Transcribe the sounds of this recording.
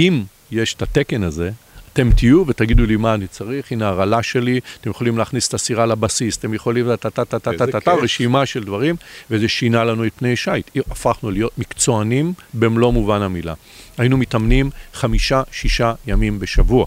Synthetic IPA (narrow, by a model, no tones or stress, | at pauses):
im | je̞ʃe̥tat̪e̞ke̞naze̞ | ate̞mt̪ʰijuvetaɡidulimaːnit͡saʁiχinaːʁalaʃe̞liat̪emjeχolimleːχnise̥t̪asiʁalabasisat̪emjeχo̞limat̪at̪atat̪atat̪ataʁeʃimaʃe̞ldvaʁimvezeʃinalanuet̪̚pne̞jʃajt̪iʔafaχnulijo̞tmikt͡so̞animbemlo̞muvanamila̰ | hajinumitamnimχamiʃaʃiʃajamimbe̞ʃavua